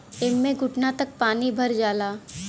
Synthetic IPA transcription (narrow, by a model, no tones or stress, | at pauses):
ɪmːẽɡʱʊʈnat̪ɐk̚paːnibʱɐɾd͡ʒaːlaː